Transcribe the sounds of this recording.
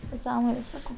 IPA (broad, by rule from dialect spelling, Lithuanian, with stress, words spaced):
nʲɛˈsɑːmoːnʲeːs ˈsɑːkɐʊ